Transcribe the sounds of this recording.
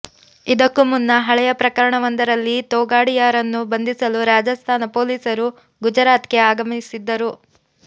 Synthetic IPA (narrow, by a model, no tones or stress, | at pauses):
id̪ɐkːumunːɐɦɐɭɛjɐpɾɐkɐɾɐɳɐʋɐnd̪ɐɾɐlːit̪ɔːɡaːɽijaːɾɐnːubɐnd̪isɐluɾaːd͡ʒɐst̪ʰaːnɐpoːliːsɐɾu | ɡud͡ʒɐɾaːt̪ke̞aːɡɐmsid̪ːɐɾu